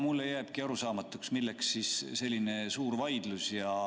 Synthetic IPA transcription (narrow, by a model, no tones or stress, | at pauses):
mulːejæːb̥kiɑɾusɑːmɑt̪ːˑuksmilːeksːisse̞lʲːine̞suːɾvɑjd̪̥lusjɑ